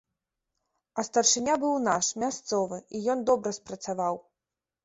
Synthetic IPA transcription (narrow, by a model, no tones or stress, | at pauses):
ɐst̪ɐrʂɨnʲabɨwnaʂmʲast̪sɔvɨijɔnd̪ɔbɾɐspɾɐt̪savaw